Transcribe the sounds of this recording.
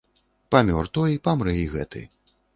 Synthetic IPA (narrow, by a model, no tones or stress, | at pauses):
pamʲɔrt̪ɔjipamɾɛjɣɛ̰t̪ɨ̰